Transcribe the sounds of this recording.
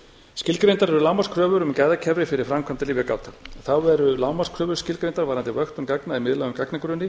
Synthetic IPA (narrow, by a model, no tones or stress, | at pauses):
scɪlkɾejnt̪aɾɛɾʏlawmaskʰɾœːvʏɾʏmcɛðacʰɛvɾɪfɪɾɪɾ̥fɾamkʰvant̪aliːvaka̰ːwt̪aθawvɛɾʏlawmaskʰɾœːvʏɾ̥scɪlkɾejnt̪aɾvaːɾant̪ɪvœxt̪ʏmkaknaimɪðlawʏmkaknakʏɾʏnːɪ